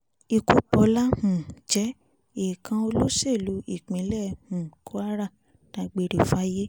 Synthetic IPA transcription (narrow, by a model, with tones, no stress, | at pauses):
i˧ku˨˦k͡pɔ˧˦la˦hũ˨d͡ʒɛ˨˦ | e˨kʰã˧o˧lo˦se˦˨lu˨˦i˦˨k͡pĩ˨˦lɛ˦˨hũ˨kʰo˦a˦ɾa˦˨ | tã˧˦ɡ͡be˧ɾi˨fa˦je˦